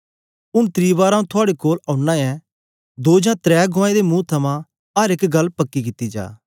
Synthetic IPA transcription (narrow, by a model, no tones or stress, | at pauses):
ʊnt̪ɾiːʋaːɾãũt̪ʰʊaːɽekoːlãːʊɳːãːɛ | d̪oːd͡ʒãːt̪ɾɛːɡʱõaːed̪emũːt̪ʰɐmã | ɐɾɪkɡɐlːpɐkːikɪt̪ːid͡ʒa̰ː